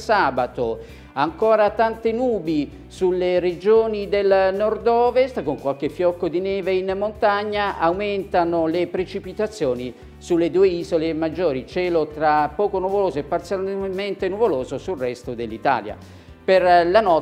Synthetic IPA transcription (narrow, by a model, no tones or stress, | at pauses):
saːbat̪o | aŋkɔːɾat̪ant̪enuːbi | sulered͡ʒoːnid̪elnɔrd̪ɔːvest̪koŋkwalk̟efːjɔkːod̪inɛːveinmont̪aɲːaʔawmɛnt̪anolepɾet͡ʃipit̪at̪sːjɔːni | sulːed̪uːeiːzolemad͡ʒːoːɾit͡ʃɛːlot̪ɾapːɔːkonuvoloːzoepːart̪sjament̪enuvoloːzosulrɛst̪od̪elːit̪a̰ːlja̰ | perlanɔ